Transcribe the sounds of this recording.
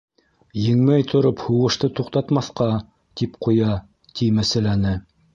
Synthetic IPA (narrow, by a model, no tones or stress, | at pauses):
jɘ̆ŋmæjt̪ʰŏɾophuʁɤ̆ʃt̪ɤt̪uqt̪ɑt̪mɑθqɑ | t̪ipqʰujɑ | t̪ʰimæsæ̆lænɘ